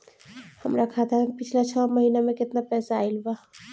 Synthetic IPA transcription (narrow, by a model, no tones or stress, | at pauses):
həmɾakʰat̪ʰapit͡ʃʰlat͡ʃʰəməɦinameket̪napɛsaːjlbə